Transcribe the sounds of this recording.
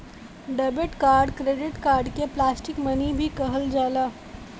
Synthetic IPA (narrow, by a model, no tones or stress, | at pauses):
ɖɐːbəʈkaːɾɖkɾeːɖɪʈkaːɾɖkeplaːsʈɪkmɐnibʱikɐɦəld͡ʒaːlaː